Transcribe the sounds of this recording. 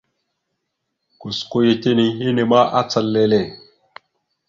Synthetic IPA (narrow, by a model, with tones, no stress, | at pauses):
ku˨sko˦je˦te˦ni˦je˦ne˨ma˦ʔa˦t͡sə˦lːe˦le˦˨